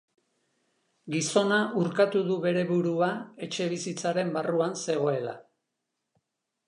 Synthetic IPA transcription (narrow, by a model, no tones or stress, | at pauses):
ɡiso̞naʔuɾkat̪uðuβe̞ɾe̞βuɾuae̞t͡ʃe̞βisit͡saɾe̞mbaruanse̞ɣ̞o̞e̞la̰